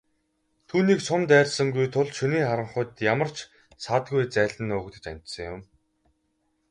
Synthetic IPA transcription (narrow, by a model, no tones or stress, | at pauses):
t̪ʰuːniːksʊmt̪æːrʲsə̆ŋɡujt̪ʰʊɮʃuniːχaɾə̆ɴχʊ̆t̪jamə̆r̥t͡ɕ | sat̪ɡujt͡sæːɮɘ̆noːkt̪ɘ̆t͡ɕa̰n̥ʲt̪sə̆ŋjʊm